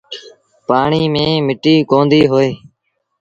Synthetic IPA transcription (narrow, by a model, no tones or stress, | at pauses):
paːɳiːmẽːmɪʈiːkõːnd̪iːɦoːeː